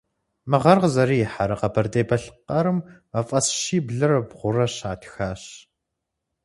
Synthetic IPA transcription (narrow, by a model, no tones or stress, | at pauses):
mɨʁɐrʁzɐɾiːjɪħaɾɐqɐbʰɐrdeːbɐɬqɐɾɨm | ɐfʼɐsʃiːbɮɨrɐbʁʷʊrɐɕaːtʰxaːɕ